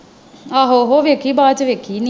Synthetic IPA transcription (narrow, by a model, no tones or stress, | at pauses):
aɦoɦoʋekibaːtəʋekini